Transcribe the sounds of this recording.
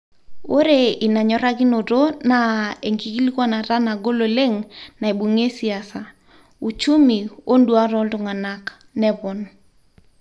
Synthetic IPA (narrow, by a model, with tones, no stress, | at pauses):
o˦ɾe˦˨i˨na˨ɲɔ˦ɾa˦ki˦no˨to˦na˦˨e˨ŋki˨ki˦li˦kwa˦na˨ta˦na˨ɡo˦lo˨le˦ŋna˨e˨ɓu˨ŋe˦si˨a˨sa˨ | u˨t͡ʃu˦mi˨o˦ndwa˦tɔ˦ltʊ˨ŋa˨na˦k | nɛ˦pɔ˨n